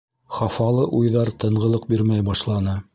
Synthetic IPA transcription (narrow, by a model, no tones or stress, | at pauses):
χɑfɑlˠɤʔujðɑɾt̪ɤ̆ɴʁɤ̆lˠɤq̚biɾmæjbɑʃlˠɑnɤ